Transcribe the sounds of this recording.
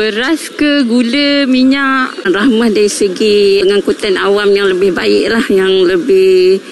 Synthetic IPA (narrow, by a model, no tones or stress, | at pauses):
bəɾaskəɡuləmiɲaʔrahmahdaɾisəɡiəŋankut̪anawamjaŋləbɪhbaɪʔlahjaŋləbɪh